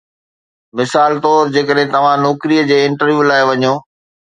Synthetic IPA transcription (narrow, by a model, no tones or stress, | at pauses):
mɪsaːlt̪ɔːɾd͡ʑeːkəɗɦɪ̃t̪ɐʋ̤ãnɔːkɾijəd͡ʑeːɪ̃ɳʈəɾʋjuːlaːeʋɐɲoː